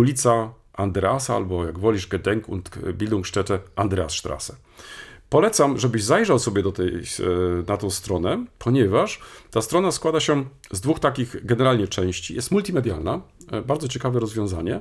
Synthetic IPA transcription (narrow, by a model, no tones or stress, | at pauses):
ulʲit̪sa | and̪ɾɛasaa̰lbɔjaɡvɔlʲiʐɡɛd̪ɛŋkṵnt̪bʲild̪ɔ̃ŋkʂtɛtɛʔand̪ɾɛasʂt̪ɾa̰sɛ | pɔlɛt̪samʐɛbɘʑzajʐawsɔbʲjɛd̪ɔt̪ɛ̰jnat̪ɔ̃w̃st̪ɾɔnɛpʰɔɲɛvaʂt̪ast̪ɾɔnaskwad̪aɕɛ | zd̪vuxt̪akʲiɣɡɛnɛɾalɲɛt͡ʂɛ̃w̃ɕt͡ɕḭjɛst̪mult̪ʲimɛd̪jalnabaɾdzɔt͡ɕɛkavɛɾɔzvʲjɔ̃w̃zaɲɛ